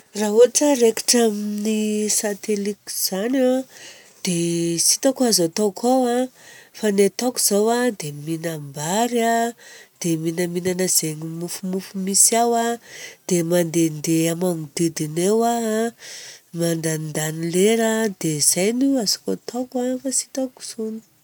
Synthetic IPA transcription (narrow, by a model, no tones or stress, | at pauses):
raɦuaʈ͡ʂəreki̥ʈ͡ʂaminisat̪eliki̥z̥ana | d̪̥esit̪akuazat̪okʰowafanet̪oku̥z̥awad̪eminambaɾad̪̥eminəminanəz̥eŋimufumufumisawad̪̥emand̪end̪eamamid̪̥id̪inewa | mand̪anind̪anileɾad̪̥ez̥ajnuazakot̪ʰokafasi̥t̪aku̥z̥uni̥